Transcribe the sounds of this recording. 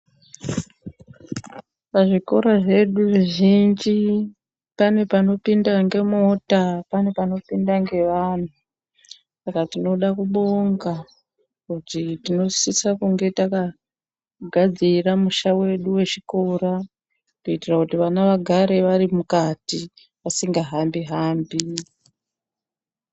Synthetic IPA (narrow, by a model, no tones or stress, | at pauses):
paʐiko̞ɾaʐe̞ɗuʐeʒind͡ʒi | pane̞pano̞pindaŋɡe̞mo̞tapane̞pano̞pindaŋɡe̞ʋaːn̤u | sakatino̞ɗakuɓoŋɡa | kutitino̞sisakuŋɡe̞taka | ɡʱad͡ziramuʃawe̞ɗuwe̞t͡ʃiko̞ɾa | koitirakutiʋanaʋaɡʱaɾe̞ʋaɾimukati | ʋasiŋɡaɦambiɦaːmbi